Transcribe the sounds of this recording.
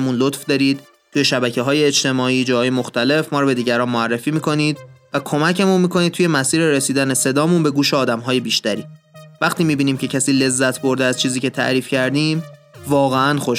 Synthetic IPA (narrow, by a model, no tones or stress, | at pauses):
munlot̪fd̪ɒːɾiːd̪̥̚ | t̪uje̞ʃæbæcʰeɦɒːjeːt͡ʃt̪e̞mɒːiːd͡ʒɒːhɒːje̞moxt̪æle̞fmɒːɾɔbe̞d̪iːɟæɾɒːnmoærːefiːmiːkʰo̞niːd̪vækʰo̞mæcʰemunmiːkʰo̞niːd̪̚t̪ʰuje̞mæsiːɾeɾesiːd̪æne̞se̞d̪ɒːmunbe̞ɡuːʃeɒːd̪æmɦɒːje̞biːʃt̪æɾiː | væχt̪ʰiːmiːbiːniːmcʰe̞cʰæsiːle̞zːæt̪ʰbo̞ɾd̪eæz̥t͡ʃʰiːziːcʰe̞t̪ʰæ̰ʔɾiːfcʰæɾd̪iːmvɒːɣeænxoʃ